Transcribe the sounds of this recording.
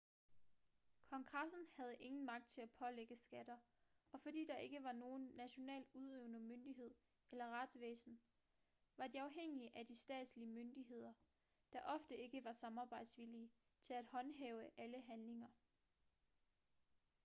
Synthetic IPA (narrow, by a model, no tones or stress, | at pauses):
kʰɒ̽ŋɡ̥ʁɑsn̩hæð̞ˠəʔe̝ŋn̩mɑ̈ɡ̥̚d̥̚t͡sʰe̝læpʰɒ̽leɡ̥əsɡ̥æd̥ɐ | ɒ̽fɒ̽d̥ḭːd̥ɑ̈ʔe̝ɡ̥əʋɑ̈no̝ːnːæɕo̝nɛ̰ːluð̞ˠøʊnəmønd̥iɦe̝ð̞̰ˠ | elɐʁɑ̈d̥sʋḛːsn̩ | ʋɑ̈d̥iɑ̈ʊɦeŋ̰iəʔæd̥isd̥ɛ̰ːd̥sliəmønd̥iɦe̝ð̞̰ˠɐ | d̥ɑ̈ʔɒ̽fd̥əe̝ɡ̥əʋɑ̈sɑ̈mɑ̈ːb̥ɑ̈ɪ̰d̥sʋiliː | t͡sʰe̝læd̥hɒ̽nɦeʊəʔæləɦænle̝ŋɐ